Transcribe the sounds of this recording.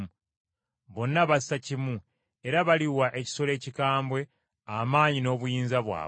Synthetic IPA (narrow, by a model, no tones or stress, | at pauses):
βo̞nːaβasacimu | e̞ɾaβaliwaʔe̞ci̥so̞le̞ːcikaːmbwe̞ | amaːɲino̞ːβujiːnzaβwa̰ː